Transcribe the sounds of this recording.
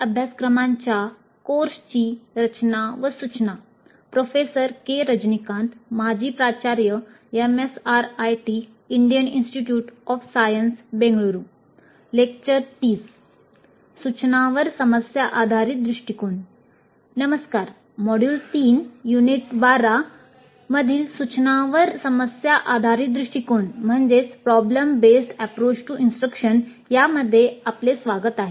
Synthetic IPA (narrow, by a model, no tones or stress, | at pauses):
əbʱjaskɾəmãɲt͡ɕja | koɾst͡ɕiːɾət͡ɕnaʋəsut͡ɕna | pɾofesəɾkeɾəd͡ʑnikãnt̪mad͡ʑʱiːpɾat͡ɕaɾjə | emesaɾajʈiː | ɳɖijəninsʈiʈjuːʈɔfsajənsbẽŋɡɭuɾuː | lek̚t͡ɕəɾʈ̪iːs | sut͡ɕnaʋəɾsəməsjaʔad̪ʱaɾiːt̪̚d̪ɾiʂʈikon | nəməskaɾ | mɔɽjuːlt̪iːnjuniʈbaɾa | məd̪ʱiːlsut͡ɕnaʋəɾsəməsjaʔad̪ʱaɾiːt̪̚d̪ɾiʂʈikonm̤əɳd͡zet͡spɾɔbləmbesʈɛpɾot͡ɕʈuinsʈɾəkʂən | jaməd̪ʱːjeaplesʋaɡət̪aɦe